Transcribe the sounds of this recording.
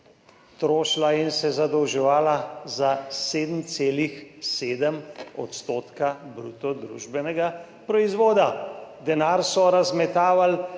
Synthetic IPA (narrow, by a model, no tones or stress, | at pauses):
t̪ɾoːʃlainsɛzad̪ɔwʒɛʋaːlazaseːd̪m̩t̪seːlixseːd̪əmɔ̰t̪st̪oːt̪kabɾut̪ɔd̪ɾuʒbɛnɛɡa | pɾɔizʋoːd̪ad̪ɛnaːɾsɔɾazmɛt̪aːʋal